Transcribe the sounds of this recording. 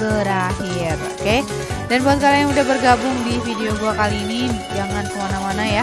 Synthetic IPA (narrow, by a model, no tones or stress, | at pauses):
bəɾahiro̰ke | danbuat̪̚kalajaŋudahbərɡabʊŋdifideoɡuakaliːnid͡ʒaŋansəmanamanaja